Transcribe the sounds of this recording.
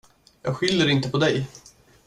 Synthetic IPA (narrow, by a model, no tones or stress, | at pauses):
jɑ̰ːɡɧɪljəɾɪnt̪əpʰɔd̪ɛj